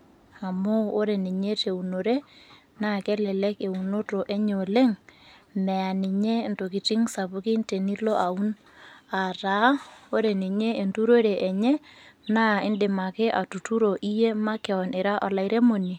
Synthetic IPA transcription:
a˨moː˦ɾe˨ni˨ɲe˦te˨u˨no˨ɾe˦ | na˦kɛ˦lɛ˨lɛ˦ke˨u˨no˦to˨ʔe˦ɲo˨le˦ŋmɛ˨a˨ni˨ɲe˦nto˨ki˨ti˦ŋsa˨pu˦ki˦nte˨ni˦lo˦ʔa˨u˦n | a˨ta˨˦o˦ɾe˨ni˨ɲe˦e˨ntu˦ɾo˦ɾe˨ʔɛ˨ɲɛ˦naː˦ɪ˦ndɪ˨ma˨ke˦ʔa˨tu˨tu˦ɾo˨ʔi˦je˦ma˦kɛ˨ɔ˨nʔɪ˨ɾa˦ʔɔ˨la˨i˦ɾe˦mo˨ni˨

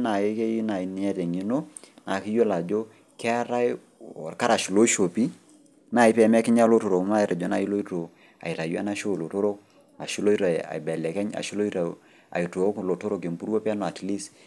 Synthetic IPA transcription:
na˨e˦ke˦i˦na˨i˨ni˨ɛ˦tɛ˨ŋi˨˦no˦ | na˨ki˦jo˦la˨d͡ʒo˦ | kɛ˦a˦ɾa˦j | ɔ̰˨ɾka˦ɾa˨ʃu˨lo˦ʃo˨pi˦ | na˨ɪ˦pɛ˨m˦ɛ˦kɪ˦ɲa˦lo˦to˨ɾo˨kma˦˨ɾa˨d͡ʒo˨˦na˨i˦lo˦i˦to˨ | a̰˨i˨ɾa˨ju˦a̰˦na˦ʃo˦˨lo˨to˦ɾo˦k̚ | a̰˨ʃu˦lo˦i˦ɾa˨a̰˨bɛ˨lɛ˨kɛ˦ɲa̰˨ʃi˦lo˦i˦ɾa˨ | a̰˨i˨to˨˦klo˨to˦ɾo˨ke˨mpu˦ɾo˦pa˦no˨a˨ti˨li˦s

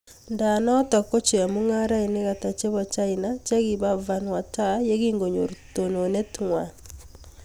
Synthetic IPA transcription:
nda˨nɔ˦tɔ˨ko˦t͡ʃe˨a˨mu˦ŋa˦ɾa˦i˨ne˦ɣa˨ta˨t͡ʃe˦βɔ˨t͡ʃa˦i˨na˦t͡ʃɛ˦ɣi˨βa˦va˦nwa˨ta˦je˦ɣi˦ŋɡo˨ɲo˨ɾto˨no˨ne˦tŋwa˨

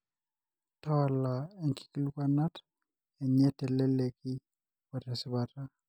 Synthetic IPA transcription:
ta˦wa˦laɛ˨ŋki̥˨kilu˦kana˦t | ɛ˨ɲɛ˦tɛ˨lɛ˦lɛ˨kɪ˦ | ɔ˨ɾɛsɪ˦bata˦

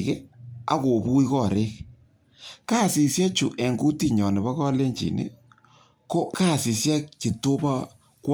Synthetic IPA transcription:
kɛ˦a̰˨ko˨pu˦i˦kɔ˦˨ɾeː˦k | ka˦˨si˨sja˦t͡ʃu˨ʔɛ˨ŋɡu˦ti˦ɲɔ˨nɪ˨ba˦kɔ˦le˦ɲt͡ʃḭ˨nɪ̰˦ | ko˦kaː˦˨si˨sja˦ki˨to˦ba˦ | kw

